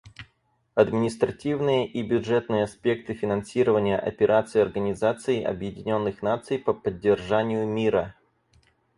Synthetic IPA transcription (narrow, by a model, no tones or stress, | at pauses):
ɐd̪mʲɪnʲɪst̪ɾɐtʲivnɨjəʔibʲʊʐɛt̪nɨjəɐspʲe̞kt̪ɨfʲɪnɐnsʲiɾəvənʲɪjəʔɐ̰pʲɪɾʔat̪sɨjɐrɡənʲɪzat̪sɨɪʔɐ̰bjɪdʲɪnʲo̞nːɨxnat̪sɨjpəpədʲːɪrʐanʲɪjʊmʲiɾə